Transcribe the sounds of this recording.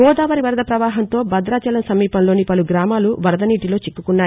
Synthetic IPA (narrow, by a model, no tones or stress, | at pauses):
ɡɔːd̪aːʋɐɾiʋɐɾɐd̪ɐpɾɐʋaːɦɐnt̪o̞ːbɐd̪ɾaːt͡ʃɐlɐmsɐmiːpɐnloːnipɐluɡɾaːmaːluʋɐɾɐd̪ɐniːʈilo̞ːt͡ʃikːukunːaːj